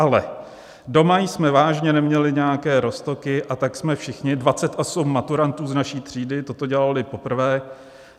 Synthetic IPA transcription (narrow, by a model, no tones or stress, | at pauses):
ʔalɛ̰ | do̞majsmɛvaːʒɲɛnɛmɲɛlɪɲɛjakɛːɾo̞st̪o̞kɪʔat̪aksmɛfʃɪxɲɪdvat͡sɛt̪asumːat̪uɾant̪uːznaʃiːt̪r̝̥iːdɪt̪o̞t̪o̞ɟɛlalɪpo̞pr̩vɛː